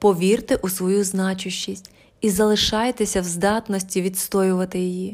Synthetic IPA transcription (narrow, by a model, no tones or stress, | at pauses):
pɔʋʲirt̪ɪʔusʋɔjuznɑt͡ʃʊʃt͡ʃːisʲtʲ | izɐlˠɪʃɑjet̪ɪsʲɐwzd̪ɑt̪nɔsʲtʲiʋʲit̪st̪ɔjʊʋɐt̪ɪjiji